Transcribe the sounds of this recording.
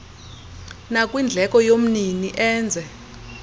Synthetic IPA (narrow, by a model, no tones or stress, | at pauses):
nakʼwind͡ɮʱɛkʼɔjom̩niniʔɛːnd͡zʱɛ